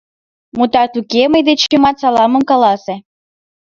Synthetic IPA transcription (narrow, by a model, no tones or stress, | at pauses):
mut̪ɑt̪ukeməjd̪et͡ɕemɑt̪sɑlɑmə̆mkɑlɑse